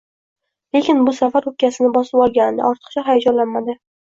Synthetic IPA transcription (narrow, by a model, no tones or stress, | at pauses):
le̞kʲɪnbʊsafaɾʊk̚kʲːasɪnɪbɒsɪpɒlˠɡʲanɪd̪a̰ʔɒɾt̪ʰɨ̥qt͡ʃʰaɦajad͡ʒɒnlanmad̪ɪ